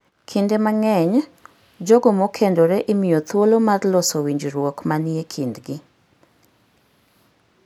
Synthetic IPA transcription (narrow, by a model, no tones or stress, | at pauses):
kʰendemaŋɛɲ | d͡ʒoɡomokʰendoɾɛʔimijot̪wolomadlɔsowiɲd͡ʒɾwokmaniekʰindɡɪ